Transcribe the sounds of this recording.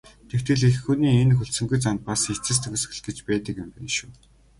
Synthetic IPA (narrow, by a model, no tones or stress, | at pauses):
t̪ʰekt̪ɘ̆ɮexxuniːenxɵɬsɘ̆ŋɡujt͡sant̪̚pasxet͡sɘ̆s̬t̪ʰɵxɵ̆s̆xɘ̆ɮɡĕt͡ɕpæːt̪ə̆kɪ̆mpæːʃuː